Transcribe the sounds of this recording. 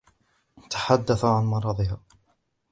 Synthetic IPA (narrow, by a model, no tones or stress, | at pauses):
t̪ʰḁħad̪ːaθaʕanmɑɾˤɑːd̪ˤɪɦaː